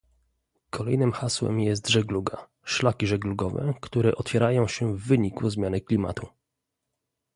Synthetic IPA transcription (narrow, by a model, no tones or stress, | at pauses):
kʰɔlɛjnɘmxaswɛ̰mjɛs̬t̪ʐɛɡluɡa | ʂlakʲiʐɛɡluɡɔvɛ̰kt̪uɾɛʔɔt̪fʲjɛɾajɔ̃w̃ɕɛvːɘɲikuzmʲjanɘklʲima̰t̪u